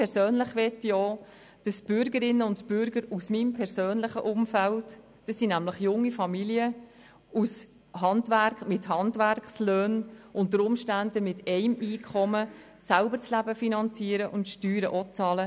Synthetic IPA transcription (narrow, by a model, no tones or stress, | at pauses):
pʰɛɾsøːnlɪχʋɛtːjɔ | d̥ɑsb̥ʏɾɡəɾɪnːəʊntb̥ʏɾɡəɾusmimpʰɛɾsøːnlɪχə̰ʔʊmfælt | d̥ɑsːinæmlɪχjʊŋːifɑmiliə | us | hɑndʋæɾkmɪthɑndʋæɾkχsløːnʔʊntəɾʊmʃtændəmɪtɛɪmiːkʰχɔmə | sælbəɾt͡slæbəfinɑnt͡siːəɾəʔʊntʃtyːɾəʔɔt͡sɑːlə